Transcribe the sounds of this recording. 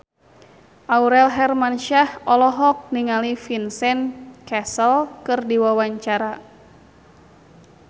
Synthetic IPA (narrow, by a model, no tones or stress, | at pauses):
ʔauɾɛlɦɛrmanʃahɔlɔɦɔk̚niŋalifinsɛnkɛsəlkɨrdiwawaɲt͡ʃaɾa